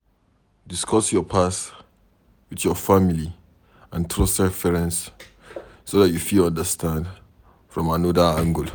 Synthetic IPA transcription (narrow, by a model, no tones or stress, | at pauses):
diskʰɔsjɔpʰas | witjɔfamili | ãntʰɹostɛfɛɹɛ̃nsː | odatjufilɔ̃ndəstʰãnd | fɹɔ̃mãnɔdəãŋɡəl